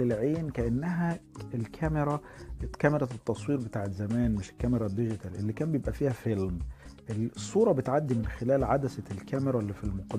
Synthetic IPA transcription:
elʕeːnkæʔænːæɦæelkʰæmeɾˤɑt̪kæmeɾˤæt̪et̪ːɑsˤwiːɾbet̪aːʕet̪zæmæːnmɪʃelkːæmeɾˤɑd̪ːeʒet̪ælʔḛlːiːkæːmbejebʔæfiːhæfelmʔelsˤːuːɾˤɑbet̪ʕad̪ːimɪnxelæːlʕad̪æsælkæmeɾˤɑlːiːfilmoqɑd̪

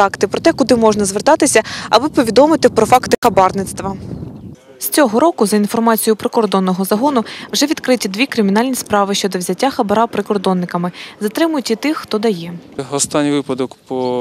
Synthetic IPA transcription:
ɑkt̪ɪpɾɔt̪ɛkʊd̪ɪmɔʒnɐzʋɪrt̪ɑt̪ɪsʲɐɐbɪpɔʋʲid̪ɔmɪt̪ɪpɾɔfɑkt̪ɪxɐbɑrnɪt̪st̪ʋɐ | sʲt͡sʲɔɦɔɾɔkʊzɐinfɔrmɑt͡sʲijʊpɾekɔrd̪ɔnːɔɦɔzɐɦɔnʊwʒɛʋʲid̪kɾɪtʲid̪ʋʲikɾɪmʲin̪ɑlʲnʲispɾɑʋɪʃʲt͡ʃɔd̪ɔwzʲɐtʲːaxɐbɐɾɑpɾɪkɔrd̪ɔnːɪkɐmɪzɐt̪ɾɪmʊjʊtʲit̪ɪxːt̪ɔd̪ɐjɛɔst̪ɑnʲːiʋɪpɐd̪ɔkpɔ

